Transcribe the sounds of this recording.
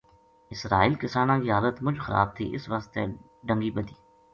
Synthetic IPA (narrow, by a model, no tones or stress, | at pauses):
ɪsɾaːiːlkɪsaːnãːkiːɦaːlət̪mʊd͡ʒʱxəɾa̰ːb̚t̪ʰḭːʔɪsʋəst̪ḛ | ɖə̃ŋɡiːbəd̪iː